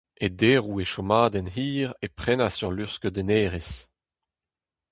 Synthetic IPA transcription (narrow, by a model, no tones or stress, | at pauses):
ed̪eːʁueʃɔmaːd̪ɛnhiːʁepχɛnasyʁlyʁskød̪eneːʁes